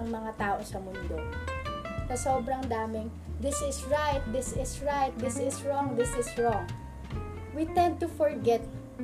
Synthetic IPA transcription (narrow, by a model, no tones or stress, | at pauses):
ɐŋmɐŋat̪aːʔo̞sɐmʊnd̪o | sɐsoːbɾɐŋd̪aːmɪŋ | d̪ɪsɪsɹajt̪̚d̪ɪsɪsɹajt̪̚d̪ɪsɪsɹɔŋd̪ɪsɪsɹɔŋ | wit̪ɛ̃nd̪̚t̪ʊfɔɹɡɛt̪̚